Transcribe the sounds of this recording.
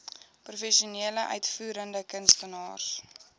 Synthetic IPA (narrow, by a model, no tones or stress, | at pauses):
prufɛʃioniələʔœ̰ɥtfuːɾəndəkənstənɑːs